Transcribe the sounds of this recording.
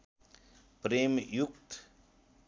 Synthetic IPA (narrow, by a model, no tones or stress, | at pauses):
pɾemjukt̪